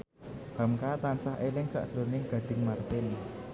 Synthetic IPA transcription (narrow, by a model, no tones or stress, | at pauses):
b̥a̤mkat̪ansaɦʔelɪŋsa̰ʔsɾonɪŋɡ̥ä̤d̪̥ɪ̤ŋmart̪eni